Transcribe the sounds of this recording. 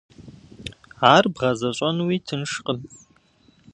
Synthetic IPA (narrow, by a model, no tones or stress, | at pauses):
aːrbʁɐzɐɕʼɐnwiːtʰɨnʂqʼən